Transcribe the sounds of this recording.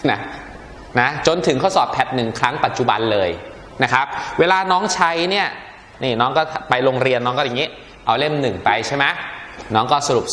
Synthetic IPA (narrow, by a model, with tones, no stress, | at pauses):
na˦˥ | na˦˥t͡ɕo˧nt̪ʰɯ˩˦kʰa˥˩wsɔː˨˩pʰɛ˨˩t̪̚nɯ˨˩ŋkʰɾa˦˥ŋpa˨˩t̪̚t͡ɕu˨˩ba̰˧nlɤː˧j | na˦˥kʰa˦˥p̚weː˧laː˧nɔː˦˥ŋt͡ɕʰa˦˥jni˥˩ɐ | ni˧˩nɔː˦˥ŋkɔː˥˩t̪ʰpa˧jɾo˧ŋɾi˧ənːɔː˦˥ŋkɔː˥˩ja˨˩ŋiː˦˥ | ʔa˧wle˥˩mnɯ˨˩ŋpa˧jt͡ɕʰa˥˩jma˦˥nɔː˦˥ŋkɔː˥˩sa˧ɾu˨˩p̚